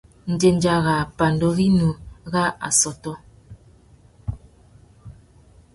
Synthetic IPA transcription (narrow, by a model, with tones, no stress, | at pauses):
n̩˨d͡ʒe˨n˦d͡ʒa˦ɣa˨pa˨ndɔ˦ɣi˦nu˨˦ɣa˦a̰˨sɔ˨tɔ˦